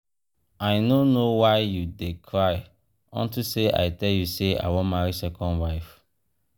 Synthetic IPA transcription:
ajnonowaɪjudekʰɹaj | ɔ̰̃ntuseʔa̰jtɛljusea̰wɔ̃maɹisɛkʰɔ̃nwaɪf

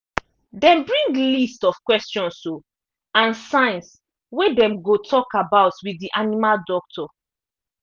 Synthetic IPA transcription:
dɛ̃mbɹĩŋɡlistɔfkwɛstɔ̃nso | ãnsãɪ̃ns | wedɛ̃mɡotʰɔkabaʊtwidiʔanimaldɔk̚tʰɔ

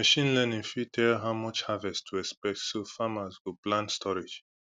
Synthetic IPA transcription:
məʃĩnlɛnĩŋfitʰɛlɦaʊmɔt͡ʃhavɛstʰuɛkspɛk̚tsofamazwuplãndstʰɔɹɪd͡ʒ

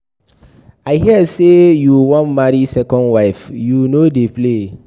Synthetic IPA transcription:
aɪɦiɛdsejuwɔ̃nmaɾisɛkɔ̃nwaɪfjunodeple

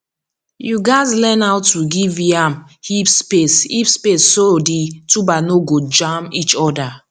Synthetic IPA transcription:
juɡaɪzlɛnawtuɡiviam | hipspesipspesːoditubanoɡod͡ʒãmit͡ʃɔda

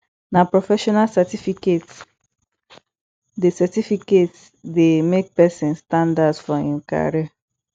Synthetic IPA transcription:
napɹofɛʃɔnalsɛtifiket | desɛtifiket | demek̚pɛsĩnstãndadsfɔĩnka̰ɹiɛ

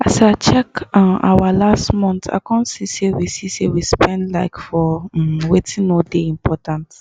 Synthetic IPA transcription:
asaɪt͡ʃɛkãʔa̰walastmɔ̃nta̰ɪkʰɔ̃nsisewisisewispɛ̃ndlaɪkfɔwetʰĩnodeĩmpʰɔtãnt

